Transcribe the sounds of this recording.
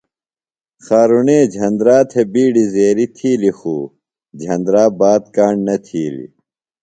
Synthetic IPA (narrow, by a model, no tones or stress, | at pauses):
xaːɾuneːd͡ʑʱɐnd̪ɾaːt̪ʰebiːɖizeːɾit̪ʰiːlixuː | d͡ʑʱɐ̃nd̪ɾaːbaːt̪̚kaːɳɖnɐt̪ʰiːlḭ